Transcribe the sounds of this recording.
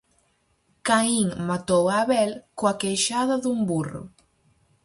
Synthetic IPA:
kaiŋmat̪owaβɛlkwakejʃaðaðumburṵ

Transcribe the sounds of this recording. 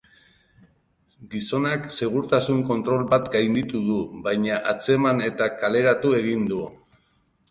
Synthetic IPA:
ɡiso̞nakse̞ɣ̞uɾt̪asuŋko̞nt̪ɾo̞lbat̪ɡajnd̪it̪uð̞uβajɲaʔat͡se̞mane̞t̪akale̞ɾat̪ue̞ɣind̪u

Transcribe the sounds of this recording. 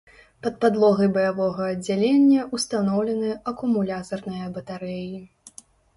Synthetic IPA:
pɐt̪̚pad̪lˠɔɣɐjbɐjavɔɣɐːd͡zʲːalʲenʲːɐʔust̪anɔwlʲɛnɨɐkumulʲat̪ɐrnɨjɐbɐt̪aɾɛji

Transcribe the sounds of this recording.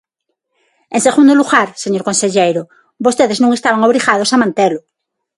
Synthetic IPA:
ẽŋseɣund̪oluɣaɾseɲoɾkonseʎejɾo | bost̪eðeznũŋest̪aβaŋoβɾiɣað̞o̞samãnt̪elo

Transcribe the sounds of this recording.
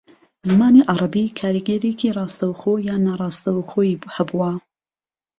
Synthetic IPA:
zɨmaːniʔɑɾˤɑbikʰaːɾiɡɛɾekʰirˤɑːst̪ɐwxoːjaːnaːɾˤɑːst̪ɐwxoːjhɐbuwɐ

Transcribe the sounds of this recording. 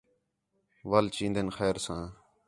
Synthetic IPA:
ʋəlt͡ʃĩːnd̪ənxɛːɾsãː

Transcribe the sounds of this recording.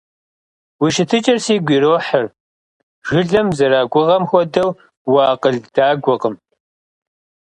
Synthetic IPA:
wiʃɪtʰɨt͡ʃʼɐrsiːɡʷiːɾoːħər | ʒ̥ɨɮɐmzɐɾaːɡʷʊʁɐmxʷɔdɐw | wɑːqəɮd̥aːɡʷɔqəm

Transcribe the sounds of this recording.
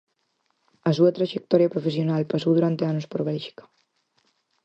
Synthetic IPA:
asuat̪ɾaʒek̚t̪ɔɾjapɾofesjonalpasowðuɾant̪eanospoɾβɛlʒi̥kḁ

